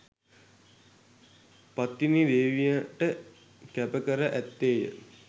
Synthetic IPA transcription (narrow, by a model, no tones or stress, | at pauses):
pat̪ːinid̪eːʋijəʈə | kæpəkəɾəʔæt̪ːeːjə̰